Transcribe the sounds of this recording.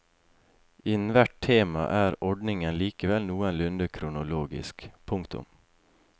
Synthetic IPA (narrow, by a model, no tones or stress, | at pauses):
ɪnn̩ʋæʈtʰeːmɑ̰ʔæːɾɔɖɳɪŋənliːkəʋɛlnuːənlʉnd̪əkʰɾʊnʊloːɡɪ̰skpʰʊŋkt̪ʊ̰m